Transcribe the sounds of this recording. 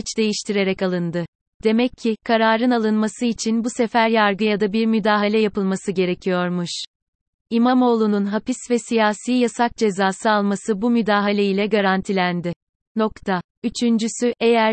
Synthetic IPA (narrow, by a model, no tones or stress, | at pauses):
t͡ʃd̪e̞jiʃt̪ʰiɾe̞ɾɛkalˠɯnd̪ɯ | d̪̥e̞mɛcʰːikʰaɾaːɾɯnalˠɯnmasɯit͡ʃʰinbusefæɾjaɾɡɯjad̪abiɾmyd̪aːɦalʲɛjapɯlˠmasɯɟe̞ɾecʰijo̞ɾmuʃ | imamo̞ːlˠununɦapisvɛsijaːsiːjasak̚d͡ʒe̞zaːsɯalˠmasɯbumyd̪aːɦalʲeilʲɛɡaɾant̪ʰilʲænd̪ɪ | no̞kt̪ʰa | yt͡ʃʰynd͡ʒysyʔejæɾ